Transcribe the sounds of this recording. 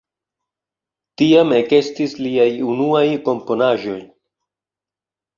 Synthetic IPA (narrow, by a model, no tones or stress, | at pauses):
tiame̞ke̞stisliajunuajko̞mpo̞naʒo̞j